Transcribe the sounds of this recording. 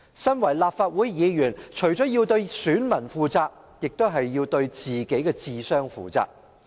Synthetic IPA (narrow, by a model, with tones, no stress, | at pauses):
sɐ˥nwɐ˨˩jlaː˨p̚faː˧t̚wu˨˥jjiː˨˧jyː˨˩nt͡ʃʰɵ˨˩ɥt͡ʃɔː˨˥jiː˧wt̪ɵ˧ɥsyː˨˥nmɐ˨˩nfuː˨˧t͡saː˧k̚ | jɪ˨k̚t̪o˥wɦɐ˨jːiː˧wt̪ɵ˧ɥt͡siː˨ke˨˥jkɛː˧t͡siː˧sœː˥ŋfṵː˨t͡sa̰ː˨˩k̚